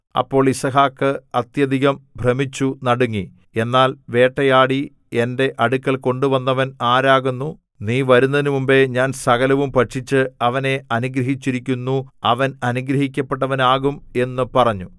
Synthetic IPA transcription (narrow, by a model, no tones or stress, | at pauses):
ɐ̰pːo̞ːɭisɐɦaːkːɨɐt̪jɐd̪ʱiɣɐmbʱremit͡ɕːunɐɽuŋːi | e̞nːaːlʋe̞ːʈːɐjaːɽi | e̞nde̞ʔɐɽukːɐɭko̞ɳɖuʋɐnːɐʋɐnaːɾaːɣunːu | niːʋɐɾunːɐðinumumbe̞ɲaːnsɐɣɐlɐʋumpɐʈʂit͡ɕːɨɐʋɐne̞ɐnuɡɾɐɦit͡ɕːiɾikʲːunːuɐ̰ʋɐnɐnuɡɾɐɦikʲːɐpːe̞ʈ̬ːɐʋɐnaːɣume̞nːɨpɐrɐɲːu